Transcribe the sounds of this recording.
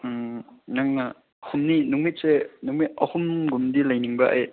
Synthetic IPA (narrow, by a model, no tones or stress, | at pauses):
naŋna | humninuŋmit̚senuŋmit̚ɐ̰humɡumdilɐjniŋbɐʔa̰j